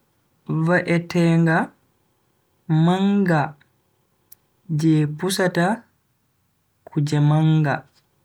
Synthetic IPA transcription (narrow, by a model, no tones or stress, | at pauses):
vaʔɛtɛːŋɡa | maŋɡa | d͡ʒɛpusata | kʰud͡ʒɛmaŋɡa